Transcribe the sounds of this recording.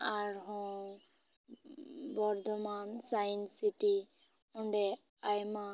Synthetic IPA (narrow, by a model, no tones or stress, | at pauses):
aɾɦɔ̃ | bɔɾd̪ʱɔmansajnsiʈi | ɔɳɖɛ | ajma